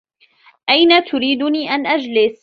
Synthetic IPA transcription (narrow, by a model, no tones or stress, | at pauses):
ʔajnat̪ʊɾiːd̪ʊniːʔanʔad͡ʒlɪs